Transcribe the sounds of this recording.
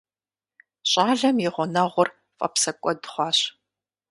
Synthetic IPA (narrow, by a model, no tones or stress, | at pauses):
ɕʼaːɮɐmjɪʁʷɔnɐʁʷʊr | fʼɐ̰psɐkʷʼɔdχʷɑːɕ